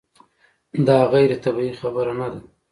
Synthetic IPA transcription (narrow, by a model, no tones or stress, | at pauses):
d̪ɑɣajɾet̪abiixabəɾanad̪a